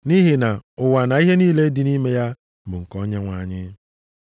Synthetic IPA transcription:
ni˦ɦi˨na˨ʊ˨wa˨na˨i˦ɦe˦niː˦le˦dɪ˨ni˦me˦ja˦ | bʊ˨ŋ̩˨kɔ˦ɲe˦ŋʷa˨ɲɪ˦

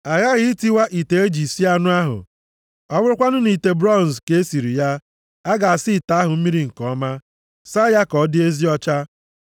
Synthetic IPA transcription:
a˨ɣa˦ɣɪ˦ti˦wa˦ʔi˨te˨e˦d͡ʒi˨si˦a˦nʊ˦a˦ɦʊ̰˨ | ɔ˦bʊ˦ɾʊ˦kʷa˦nʊ˦ni˨te˨bɾɔ˦˨n˨ske˦si˨ɾi˨ja˦ | a˦ɡa˨a˨si˦˨ta˨a˦ɦʊ˨m̩˦mi˦ɾi˦ŋ̩˨kɔ˨˦ma˦ | sa˦ja˦kɔ˨˦dɪ˦e˦zi˦ɔ˦t͡ʃa˦

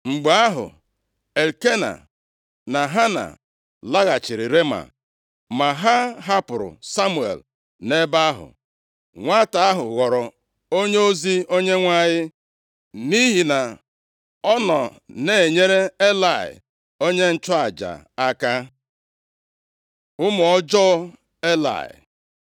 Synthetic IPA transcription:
ŋ͡m̩˨ɡ͡ba˦ɦʊ̰˨ | e˨lke˦na̰˨ | na˨ɦa˦na̰˨ | la˦ɣa˨t͡ʃɪ˨ɾɪ˨ɾe˦ma̰˨ | ma˨ɦa˦ɦa˦pʊ˨ɾʊ̰˨sa˦mu˨ḛ˨l | ne˦ba˦a˦ɦʊ̰˨ | ŋʷa˦ta˨a˦ɦʊ˨ɣɔ˨ɾɔ˨ | o˦ɲe˦o˦zi˦o˦ɲe˦ŋʷa˦˨ɲɪ˦ | ni˦ɦi˨na˨ | ɔ˦nɔ˨ne˨e˨ɲe˦ɾe˦e˦la˨ɪ̰˨ | o˦ɲe˦n̩˦t͡ʃʊ˦a˨d͡ʒa̰˨a˦ka˦ | ʊ˦mʊ˨ɔ˦d͡ʒɔ˦ | e˦la̰˨ɪ̰˨

